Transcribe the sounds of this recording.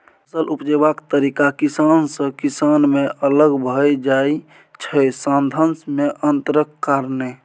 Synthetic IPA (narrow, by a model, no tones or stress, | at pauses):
səlʔupd͡ʒebakt̪əɾikakisansə̃kisanmeʔələɡbʱəjd͡ʒaj | t͡ʃʰəjsãnd̪ʱənsmeʔənt̪əɾəkːaɾne